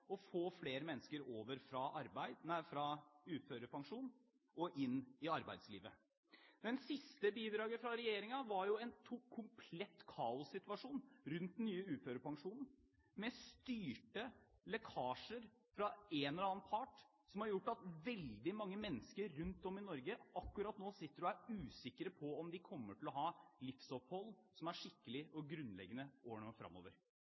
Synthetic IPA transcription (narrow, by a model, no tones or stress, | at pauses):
ɔfoːfleːɾəmɛnːəskəɾoːʋəɾfɾɑʔɑɾbæɪd̪æfɾɑʉːt̪føːɾəpʰɑŋʂuːn | ɔʔɪnːɪɑɾbæ̰ɪd̪slḭːʋə | d̪ɛnsɪst̪əbiːd̪ɾɑːɡəfɾɑɾɛjeːɾɪŋɑʋɑɾjʊɛnt̪ʰʊkʰːʊmpʰlɛt̪ːkʰɑːʊsːɪt̪ʋɑʂuːnɾʉnt̪̚nːyːəʉːt̪føːɾəpɑŋʂuːnn̩ | mɛst̪yːʈəlɛkʰɑːʂəɾ | fɾɑɛnɔɾɑːnpʰɑʈ | sɔmhɑɾjʊʈːɑt̪ʋɛld̪ɪmɑŋːəmɛnːəskəɾʉnt̪ɔmɪnɔɾɡəɑkːʉɾɑt̪noːsɪt̪ːəɾɔæɾʉːsɪkːəɾəpʰɔɔmd̪ɪkʰɔmːəʈɪlɔɦɑːlɪfsɔphɔlsɔmæʂɪkːəlɪɔɡɾʉnːlɛ̰ɡːənəoːɳofɾɑ̰mːo̰ːʋəɾ